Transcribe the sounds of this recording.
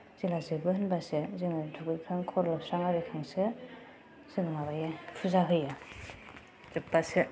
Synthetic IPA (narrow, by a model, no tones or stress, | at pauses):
z̥ilazɯbɯhɯnbasezɯŋɯtʰukɯjkʰaŋkʰɔɾlɯpsɾaŋaɾɯjkʰaŋsɯ | z̥ɯŋɯŋaβajepʰuzaɦɯja | depːase